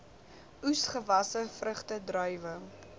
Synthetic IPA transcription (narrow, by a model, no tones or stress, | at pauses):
usχəvɐsəfrəχtədrœjvə